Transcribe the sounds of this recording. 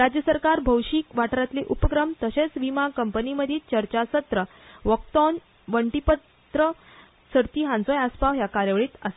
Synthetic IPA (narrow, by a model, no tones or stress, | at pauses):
ɾad͡ʑjəsəɾkaɾbʱəwɕiːkʋaʈɾat̪liʔupəkɾəmt̪əɕet͡sʋimakəmpəniməd̪ʱiːt͡ɕəɾt͡ɕasət̪ɾə | ʋəkt̪ɔn | ʋəɳʈipə | t̪ɾə | səɾt̪iɦãnt͡sojaspaʋɦjakaɾjəʋəɭiːt̪əse̥